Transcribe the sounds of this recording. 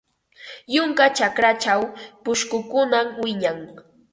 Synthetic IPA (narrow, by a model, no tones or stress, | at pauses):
jʊŋkat͡ʃakɾat͡ʃawpʊʃkʊkʊnamwɪɲaŋ